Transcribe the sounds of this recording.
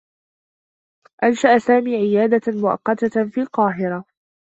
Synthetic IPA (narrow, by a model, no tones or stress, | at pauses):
ʔanʃaʔasaːmiːʕɪjaːd̪amʊʔɑ̰qːɑt̪afiːlqɑːɦɪɾa